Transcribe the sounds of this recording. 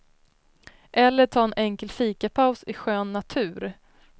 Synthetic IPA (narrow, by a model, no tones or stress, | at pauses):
ʔɛlːəʈʰɑːɛnʔɛŋkəlfiːkapʰaʊsɪɧøːnːat̪ʰʉ̟ːɾ